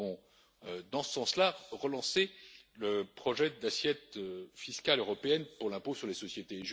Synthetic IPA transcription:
ɔ̃ | ød̪ɑ̃sə̥sɑ̃slaʁəlɑ̃seləpχɔʒɛd̪asjɛt̪øfiskʲaløʁɔpeɛnpuʁlɛ̃posyʁlesɔsjet̪eʒ

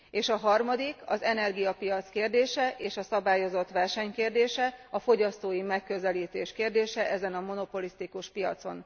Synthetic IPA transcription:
eːʃɒɦɒrmɒd̪ikɒ̰zɛnɛrɡijɒpijɒt̪skeːrd̪eːʃɛʔeːʃɒsɒbaːjo̞zo̞t̪ʋɛrʃɛɲkeːrd̪eːʃɛɒfo̞ɟɒst̪oːjimɛkːø̞zɛliːt̪eːʃkeːrd̪eːʃɛʔɛzɛnɒmo̞no̞po̞list̪ikuʃpijɒ̰t̪so̞̰n

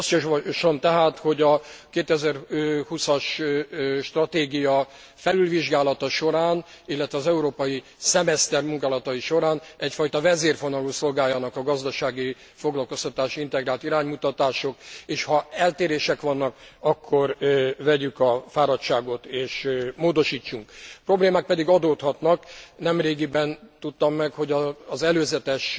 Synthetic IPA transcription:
sjʃomt̪ɛɦaːt̪ho̞ɟɒkeːt̪ɛzɛrhusɒʃ | ʃt̪rɒt̪eːɡijɒ | fɛlylviʒɡaːlɒt̪ɒʃo̞ɾaːnilːɛt̪ʋɛɒzɛuɾoːpɒji | sɛmɛst̪ɛrmuŋkaːlɒt̪ɒjiʃo̞ɾaːnɛcfɒjt̪ɒvɛzeːrfonɒluːso̞lɡaːjɒnɒkɒɡɒzd̪ɒʃaːɡi | fo̞ɡlɒlko̞st̪ɒt̪aːʃint̪ɛɡraːlt̪iɾaːɲmut̪ɒt̪aːʃo̞keːʃhɒɛlt̪eːɾeːʃɛkʋɒnːɒkɒkʰːo̞rvɛɟykɒfaːɾɒtt͡ʃaːɡo̞t̪eːʃmoːd̪o̞ʃiːt͡ʃːuŋkpro̞bleːmaːk̚pɛd̪iɡɒd̪oːt̪hɒt̪nɒknɛmreːɡibɛnt̪ut̪ːɒmːɛkho̞ɟɒːzɛløːzɛt̪ɛʃ

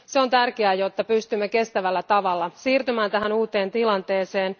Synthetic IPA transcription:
seo̞nt̪ærkeæːjo̞t̪ːɑpyst̪ymːeke̞st̪æʋælːæt̪ɑʋɑlːɑsiːrt̪ymæːnt̪æɦænuːt̪e̞ːnt̪ilɑnt̪eːse̞ːn

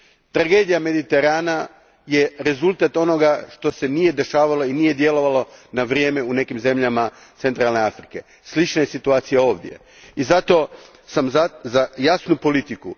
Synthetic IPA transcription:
t̪ɾaɡe̞ːd̪ijame̞d̪it̪e̞ɾaːna | je̞ɾe̞zulˠt̪at̪o̞no̞ɡaʃt̪o̞se̞nije̞d̪e̞ʃaːʋalo̞inije̞d̪je̞lo̞ʋalo̞naʋɾje̞ːme̞une̞kimze̞mʎama | t̪se̞nt̪ɾalne̞afɾike̞̰ | slit͡ʃnaje̞sit̪uaːt̪sijao̞ːʋd̪je̞̰ | izat̪o̞ | samzazajasnupo̞lit̪iku

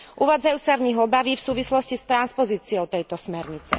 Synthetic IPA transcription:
ʔuʋaːd͡zajuːsavɲiɦɔbaʋiːfsuːʋislɔscist̪ɾanspɔziːt͡siɔʊt̪ɛjt̪ɔsmɛɾɲit͡sɛ̰

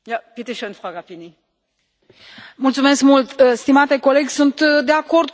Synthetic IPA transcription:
japit̪iʃɔnfʁaɡapini | mult̪sume̞skmult̪st̪imat̪eko̞le̞ɡʲsunt̪d̪eako̞rd̪

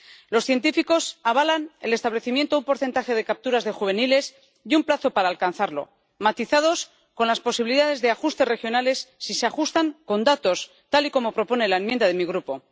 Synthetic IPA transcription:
lo̞sθje̞nt̪ifiko̞saβalanelest̪aβleθimjent̪oumpo̞ɾθe̞nt̪axe̞ð̞e̞kap̚t̪uɾazðe̞xuβ̞e̞nile̞s | iumplaθo̞paɾaːlkanθaɾlo̞̰ | mat̪iθað̞o̞s | ko̞nlaspo̞siβiliðaðe̞zðe̞axust̪e̞re̞xjo̞nale̞sːiseaxust̪aŋko̞nd̪at̪o̞s | t̪aliko̞mo̞pɾo̞po̞ne̞laemjẽnd̪aðe̞miɣ̞ɾupo̞

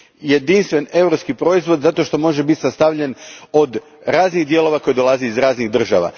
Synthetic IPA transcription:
je̞d̪inst̪ʋe̞ne̞vɾopskipɾo̞izʋo̞d̪zat̪o̞ʃt̪o̞mo̞ʒe̞bit̪sast̪aʋʎeno̞d̪ | ɾaːzniɣd̪je̞lˠo̞ʋako̞jed̪o̞lˠazeizɾaːzniɣd̪r̩ʒa̰ʋa̰

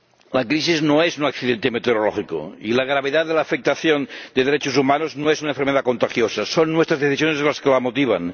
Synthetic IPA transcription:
lakɾis̬iznoezunakθiðent̪emet̪eoɾolɔxiko̰ilaɣ̞ɾaβeðaðelaːfek̚t̪aθjond̪eðeɾet͡ʃosumanoznoesunaẽɱfeɾmeðakont̪axjosasonːwest̪ɾazðeθisjonezlaskelamot̪iβ̞a̰n

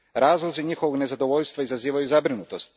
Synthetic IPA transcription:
ɾaːzlˠoziɲixoʋoɡne̞zad̪oʋoʎʲst̪ʋaizaziːʋajuzabɾinut̪o̞st̪

